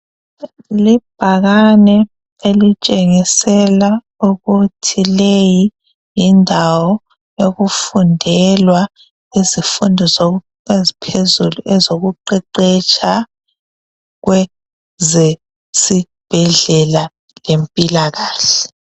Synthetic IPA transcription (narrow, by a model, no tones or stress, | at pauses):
lib̥ʱaɣanɛ | elit͡ʃʼeŋisɛla | uɣutʰileji | jindʱawɔ | joɣufundʱɛlwa | izifundʱɔzo | ezipʰezuluʔɛzoɣuǃɛǃɛt͡ʃʼa | ɣwɛ | zɛ | si | b̥ʱɛɮɛla | lempʼilaɣaːɬɛ̥